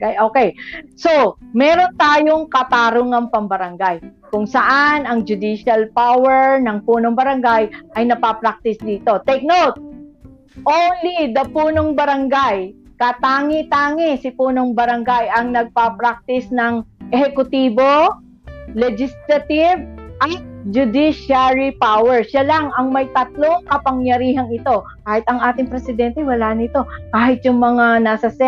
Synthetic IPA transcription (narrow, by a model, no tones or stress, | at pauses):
jʔoːkɛjsomɛːɾo̞nt̪aːjo̞ŋkɐt̪aːɾʊŋɐŋpɐmbɐɾɐŋɡajkʊŋsɐʔanɐŋd͡ʒʊd̪iʃɐlpawɛɹnɐŋpuːnoŋbɐɾɐŋɡajʔɐjnɐpapɾak̚t̪ɪsd̪iːt̪o̞t̪ɛk̚nowt̪̚ | ʔonlid̪ɐpuːnoŋbɐɾɐŋɡajkɐt̪aːŋɪt̪aːŋɪsɪpuːno̞ŋbɐɾɐŋɡajʔɐŋnɐɡ̚papɾak̚t̪ɪsnɐŋʔɛhɛkʊt̪iːbo̞ | lɛd͡ʒɪst̪ɾɐt̪ɪvʔɐt̪̚d͡ʒʊd̪iʃaɹipawɛɹʃalɐŋʔɐŋmɐjt̪ɐt̪̚lo̞ŋkɐpɐŋjɐɾiːɦɐŋɪt̪o̞ | kaːhɪt̪ɐŋʔaːt̪ɪŋpɾɛsɪd̪ɛnt̪ɛwɐlaːnɪt̪o̞kaːhɪt̪jʊŋmɐŋanaːsɐsɛ